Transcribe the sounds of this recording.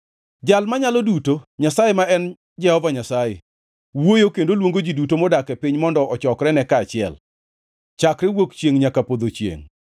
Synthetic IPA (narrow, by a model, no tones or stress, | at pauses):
d͡ʒalmaɲalɔdutoɲasajemaɛn | d͡ʒɛhɔvaɲasajḛ | wojokendolwoŋɡod͡ʒidutomɔdakɛpɪɲmɔndɔʔɔt͡ʃɔkɾɛnɛkaːt͡ʃɪɛ̰l | t͡ʃakɾɪwokt͡ʃjeŋɲakapod̪ot͡ʃjḛŋ